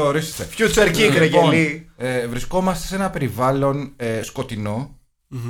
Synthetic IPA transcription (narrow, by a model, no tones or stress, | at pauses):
oɾisest̪efçut͡seɾcikɾeʝɐnievɾisko̞mɐst̪e̞se̞nɐpe̞ɾivɐlo̞nesko̞t̪ino̞